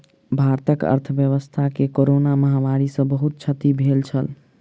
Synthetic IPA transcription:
bʱaɾt̪əkə̰ɾt̪ʰəbjəβəst̪ʰakekoɾonaməɦamaɾisə̃bəɦut̪̚t͡ʃʰət̪ibʱelt͡ʃʰəl

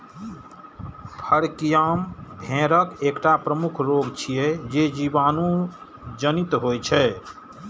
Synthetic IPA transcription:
pʰəɾkijambʱẽɾəkekʈapɾəmukʰɾoɡt͡ʃʰijɛd͡ʒed͡ʒibanũ | d͡ʒənit̪ɦojt͡ʃʰɛ

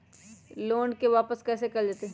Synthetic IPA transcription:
loːnkeʋaːpəskɛːs̬ekɐld͡ʒaːt̪eɦ

